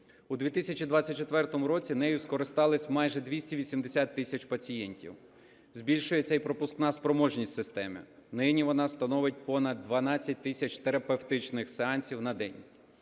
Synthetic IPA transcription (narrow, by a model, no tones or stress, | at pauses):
ud̪ʲʋʲit̪ɪsʲɐt͡ʃid̪ʋɑt͡sʲːɐt̚ʲt͡ʃet̪ʋɛrt̪ɔmʊɾɔt͡sʲinɛjʊskɔɾɪst̪ɑlˠɪsʲmɑjʒɛd̪ʲʋʲisʲtʲiʋʲisʲimd̪esʲat̪ːɪsʲɐt͡ʃpɐt͡sʲijɛnʲtʲḭw | zbʲilʲʃʊjɛɛjpɾɔpʊsknɑspɾɔmɔʒnʲisʲtʲsɪst̪ɛmɪ̰nɪnʲiʋɔnɑst̪ɐnɔʋɪt̚ʲpɔnɐd̪̚ːʋɐnɑt͡sʲːɐt̚ʲt̪ɪsʲɐt͡ʃt̪eɾɐpewt̪ɪt͡ʃnɪxseɑnʲsʲiwnɐd̪ɛ̰nʲ